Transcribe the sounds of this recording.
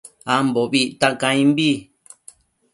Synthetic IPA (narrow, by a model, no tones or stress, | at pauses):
amboβit̪akãĩmbi